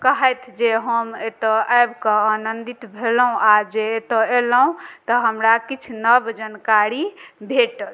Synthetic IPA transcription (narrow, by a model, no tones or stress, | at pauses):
kəɦəjt̪ʰd͡ʒeɦəmet̪əajbkə̃anənd̪it̪bʱelɦũʔad͡ʒeːt̪əeləɦũt̪əɦəmɾakit͡ʃʰnəbd͡ʒənkaɾibʱeʈəl